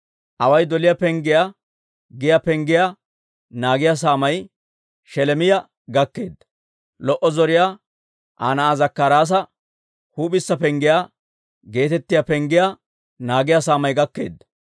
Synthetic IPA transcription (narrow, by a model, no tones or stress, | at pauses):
ʔɐwɐjd̪ɔlɪjapɛŋɡɪja | ɡɪjapɛŋɡɪja | naːɡɪjas̬aːmɐj | ʃɛlɛmɪjɐ | ɡɐkːe̞ːd̪ːɐ̥ | lɔʔɔzɔɾɪja | ʔa̰ːnɐːzɐkːaɾaːs̬ɐ | huːɓɪsːɐpɛŋɡɪjaː | ɡe̞ːt̪ɛt̪ːɪjapɛŋɡɪja | naːɡɪjas̬aːmɐjɡɐkːe̞̰ːd̪ːɐ